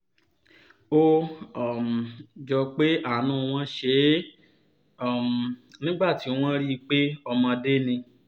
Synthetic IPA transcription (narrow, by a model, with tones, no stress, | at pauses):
o˦˨m˨d͡ʒɔ˧k͡pe˦a˦˨nũ˦˧w̃ɔ̃˧ʃe˧˦ | ɔ˨m˨nĩ˦ɡ͡ba˦˨ti˨˦w̃ɔ̃˦ɾi˦˧k͡pe˦ɔ˧mɔ̃˧de˦nĩ˧